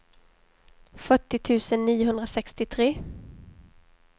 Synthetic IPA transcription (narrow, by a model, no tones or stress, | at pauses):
fœʈːɪt̪ʰʉ̟ːsənːiːʊɦɵnd̪ɾasɛkst̪ɪt̪ʰɾeː